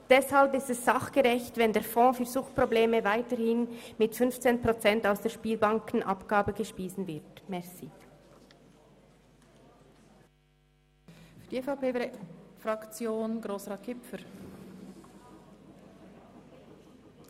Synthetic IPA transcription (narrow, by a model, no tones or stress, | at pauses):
d̥ɛshalpɪstɛsz̥ɑχɡ̥əʁɛçtvɛndeːɐfɔ̃ːfyːɐzʊxtpʁ̥obleːməvaɪtəhɪnmɪtfʏnft͡seːnpʁ̥ot͡sɛntaʊsd̥eːʃpiːlbaŋkn̩ʔɑ̰pɡ̥aːbəɡəʃpiːsn̩vɪɐtmɛʁsi | fydieːfaʊpeːfɾɑkt͡sjoːnɡʁoːsʁɑːt̚kʰɪpfəɾ